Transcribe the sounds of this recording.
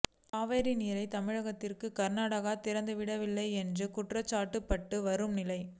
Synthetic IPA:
aːʋeːɾinɪɾɐɪt̪ɐmɪɻɐɣɐt̪ːɪrkɯkɐɾnaːɽɐɣaːt̪ɪɾɐnd̪ɯʋɪɽɐʋɪlːɐɪɛndrɯkʊʈrɐt͡ʃːaːʈːɯpːɐʈːɯʋɐɾɯmnɪlɐɪ

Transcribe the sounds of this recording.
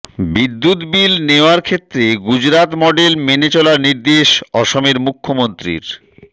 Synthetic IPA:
bid̪ːut̪bilneoaɾkʰet̪ːɾeɡud͡ʑɾat̪mɔɖelmenet͡ɕɔlaɾniɾd̪eʃɔʃomeɾmukʰːomont̪ɾḭɾ

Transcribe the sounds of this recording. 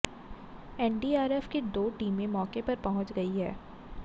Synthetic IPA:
ɛːɳɖiːaːɾɛfked̪oːʈiːmːẽmɔːkepɐɾpɐɦʊ̃t͡ʃɡɐiɦɛ̰ː

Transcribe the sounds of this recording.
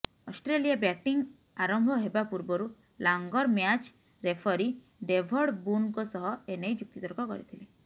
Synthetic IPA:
ɔsʈɾelijabjaʈiŋ | aɾɔmbʱɔɦebapuɾbɔɾu | laŋɡɔɾmjat͡ʃ | ɾepʰɔɾi | ɖebʱɔɽbunkɔsɔɦɔenejd͡ʒuk̚t̪it̪ɔɾɔkɔkɔ̰ɾḭt̪ʰile

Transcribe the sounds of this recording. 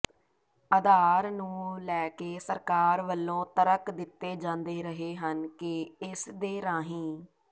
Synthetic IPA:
əd̪aːɾnũːlɛːkeːsəɾkaːɾʋəlːõːt̪əɾəkd̪ɪt̪ːeːd͡ʒãːnd̪eːɾəɦeːɦənkɪɪsd̪eːɾãːɦĩː

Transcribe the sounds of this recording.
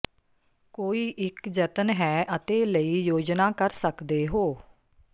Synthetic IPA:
koːiːʔɪkd͡ʒət̪ənɦɛːʔət̪eːləiːjoːd͡ʒnaːkəɾsəkd̪eːɦoː

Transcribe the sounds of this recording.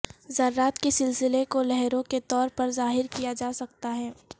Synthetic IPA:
zɐɾːaːt̪kesɪlsɪlekolɛɦɾõket̪ɔːɾpɐɾzaːɦɪɾkijad͡ʒaːsɐk̚t̪aɦɛː

